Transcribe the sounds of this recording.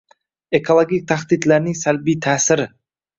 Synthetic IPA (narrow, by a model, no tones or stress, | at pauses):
e̞kʰolˠoɡʲik̚t̪ʰaχd̪id̪laɾnɪŋsalbijt̪ʰaːsɪɾɪ